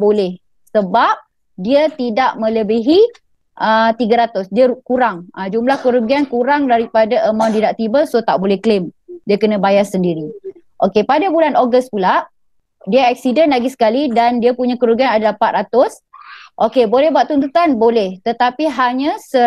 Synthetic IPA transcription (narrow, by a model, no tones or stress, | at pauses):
bolɛh | səbap̚ | diət̪idaʔmə̃ləbiɦi | ʔət̪iɡaɾat̪ʊsdiəkuɾaŋəd͡ʒumlahkəɾuɡiankuɾaŋdaɾipadaʔəmaw̃ndidaʔt̪ibəlsot̪a̰ʔbolɛhklemdiəkənə̃bajasəndiɾi | ʔokepadabulanoɡəst̪pula | diəɛk̚sidənlaɡisə̥kalidandiəpuɲãkəɾuɡianadalahpat̪̚rat̪ʊs | ʔokebolɛhbuwatʔ̪̚t̪unt̪ut̪anbolɛht̪ət̪apiɦaɲãsə